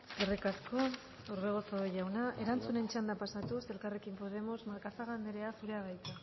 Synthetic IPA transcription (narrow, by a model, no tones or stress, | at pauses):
ske̞rikasko̞ | owɾβe̞ɣosooʝawnaʔe̞ɾant͡sune̞nt͡ʃand̪apasat̪use̞lkare̞kimpo̞ð̞e̞mo̞zmaɾkasaɣand̪eɾe̞asuɾe̞aɣajt̪a